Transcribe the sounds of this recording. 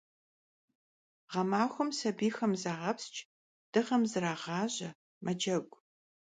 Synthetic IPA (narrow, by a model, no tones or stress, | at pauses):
ʁɐmaːxʷʊmsɐbiːxɐmzaːʁɐpst͡ʃʼ | d̥ɨʁɐmzɨɾaːʁɑːʑɐ | mʔɐd͡ʒɐɡʷʼ